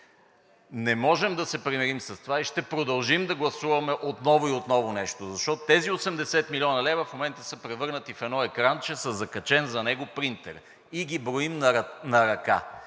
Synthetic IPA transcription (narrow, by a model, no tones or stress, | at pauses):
nɛmɔʒɛmd̪ɐsɛpɾimɛɾimsɐst̪ovaiʃt̪ɛpɾod̪ɐlˠʒimd̪ɐɡlˠɐsuvɐmɛʔot̪nɔvʊiot̪nɔvʊnɛʃt̪ozɐʃt̪ɔt̪ot̪ɛziosɛmd̪ɛsɛt̪milʲiɔnɐlɛvɐfmomɛnt̪əsəpɾɛvɤɾnət̪ifɛd̪nɔɛkɾant͡ʃɛsəzɐkɐt͡ʃɛnzɐnɛɡopɾint̪ɛ̰ɾ | iɡibɾoimnɐɾɐka̰